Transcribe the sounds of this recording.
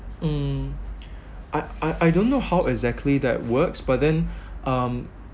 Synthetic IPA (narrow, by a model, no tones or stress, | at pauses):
m̩ | ʔaɪaɪʔaɪdõnːohaʊʔɛɡzɛk̚tʰliðɛ̰t̚wɜksb̥at̚ðɛ̃nʔʌ̃m